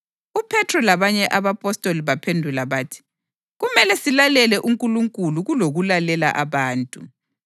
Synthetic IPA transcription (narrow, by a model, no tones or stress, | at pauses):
upʰɛtʰrɔlaβaɲɛʔaβapʼɔstʼoliβapʰendʱulaβaːtʰi̥ | ɣumɛlɛsilalɛlɛʔuŋkʼuluŋkʼuluɣuloɣulalɛla̰ʔaβaːntʼu